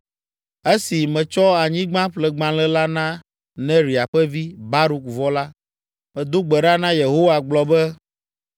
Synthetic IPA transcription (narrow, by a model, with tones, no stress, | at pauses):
e˦si˨mɛ̃˨t͡ʃɔ˦a˨ɲĩ˦ɡ͡bã˦ɸlɛ˨ɡ͡bã˨lɛ˦la˦nã˦ | nɛ̃˦ɾi˨a˨ɸɛ˦vi˦ba˦ɾu˦kvɔ˦la˦ | mɛ̃˨d̪o˦ɡ͡bɛ˨ɖa˦nã˦je˨ɦo˦wa˨ɡ͡blɔ˨bɛ˦